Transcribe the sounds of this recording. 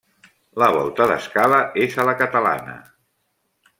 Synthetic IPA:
ləβɔ̰lˠt̪əðə̰skaləezələkət̪əla̰nə̰

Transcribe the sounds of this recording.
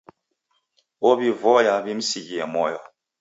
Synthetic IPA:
wɔbivɔjabim̩siɡiɛmɔjɔ

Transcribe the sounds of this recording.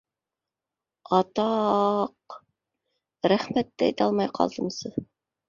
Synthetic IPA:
ɑt̪ɑq | ɾæχmæt̪ːɘɛ̰jt̪ɑlˠmɑjqʰɑ̰lˠd̪ɤ̆msɤ

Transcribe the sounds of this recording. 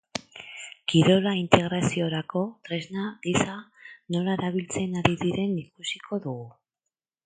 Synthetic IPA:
kiɾo̞laint̪e̞ɣɾasio̞ɾako̞t̪ɾe̞znaðisano̞laeɾaβ̞ilt͡se̞naðiβiðe̞nikusikʰo̞ðuɣu

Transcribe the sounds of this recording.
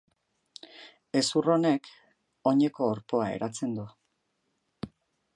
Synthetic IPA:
e̞suro̞ne̞k | o̞ɲe̞ko̞ːɾpo̞ae̞̰ɾat͡se̞nd̪u

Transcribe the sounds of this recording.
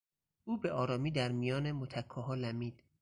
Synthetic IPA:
ʔuːbe̞ʔɒːɾɒːmiːd̪æɾmijɒːne̞mot̪ʰækʰːɒːɦɒːlæmiːd̪̥

